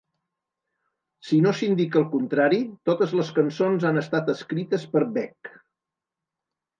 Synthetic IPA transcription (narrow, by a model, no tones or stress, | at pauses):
sinosind̪ikəlˠkunt̪ɾaɾit̪ot̪əzləskənsonzanəst̪at̪əskɾit̪əspəɾbɛk